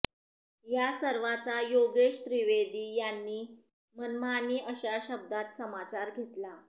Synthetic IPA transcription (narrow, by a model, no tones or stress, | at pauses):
jasəɾʋat͡sajoɡeʂt̪ɾiʋed̪iːjanːiː | mənmaniːʔəɕaɕəb̚d̪at̪səmat͡ɕaɾɡʱet̪la